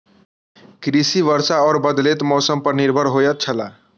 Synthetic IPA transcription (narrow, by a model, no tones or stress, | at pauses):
kɾisiʋəɾsaɔɾbəd̪let̪mɔsəmpəɾniɾbʱəɾɦojət̪̚t͡ʃʰəla